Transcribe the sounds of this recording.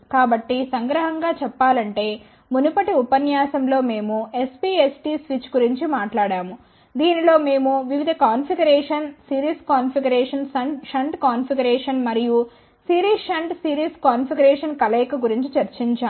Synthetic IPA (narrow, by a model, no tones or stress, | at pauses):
kaːbɐʈːisɐŋɡɾɐɦɐŋɡaːt͡ʃɛpːaːlɐɳʈe̞ː | munupɐʈiupɐnjaːsɐmlo̞ːme̞ːmuespiːesʈiːsʋit͡ʃːɡuɾiɲt͡ʃimaːʈlaːɽaːmu | d̪iːnilo̞ːme̞ːmuʋiʋid̪ʱɐkaːnpʰiɡɐɾɛːʂɐnsiːɾiːskaːnpʰiɡɐɾɛːʂɐnsɐɳʂɐɳʈkaːnpiɡɐɾɛːʂɐnmɐɾiju | siːɾiːʂɐɳʈsiːɾiːskaːnpʰiɡɐɾɛːʂɐnkɐlɛːkɐɡuɾiɲt͡ʃit͡ʃɐɾt͡ʃiɲt͡ʃaː